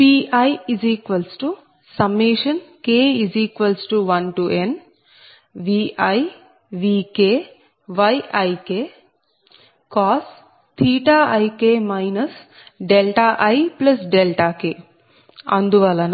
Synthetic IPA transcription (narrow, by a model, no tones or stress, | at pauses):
piːɐjiziːkʋɐlsʈu | sɐmːeːʂɐnkeːiziːkʋɐlsʈuʋɐnʈuʔen | ʋiːʔɐj | ʋiːkeː | ʋɐjɐjkeː | kaːs | t̪ʰiːʈaːʔɐjkeːmɐjnɐs | ɖelʈaːʔɐjplɐsɖelʈaːkeː | ɐ̰nd̪uʋɐlɐn